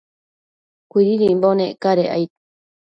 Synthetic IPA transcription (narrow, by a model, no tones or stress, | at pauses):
kʷiɾiɾiimbonekaɾeʔa̰jt̪